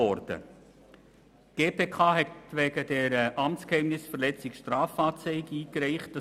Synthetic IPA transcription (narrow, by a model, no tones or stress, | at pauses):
ɔɾd̥ə̰ | ɡ̥eːpʰeːkʰɑːɦɛtʋɛːɡəd̥ɛɾəʔɑmt͡skhɛɪmnɪsfəɾlɛt͡sɪkʃtɾaːfaːt͡sœɪɡiːkɾɛɪχt̚d̥ɑ